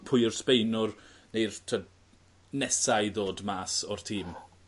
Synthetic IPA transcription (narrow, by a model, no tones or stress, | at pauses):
pʰʊjɔrspejnʊrnejrtʰə | nɛsajðoːdmaːsɔr̥tʰiːm